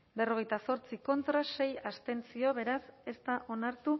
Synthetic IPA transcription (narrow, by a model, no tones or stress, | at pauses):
be̞ro̞ɣe̞jt̪aso̞ɾt͡siko̞nt̪ɾase̞jast̪e̞nt͡sio̞βe̞ɾase̞st̪aʔo̞naɾt̪u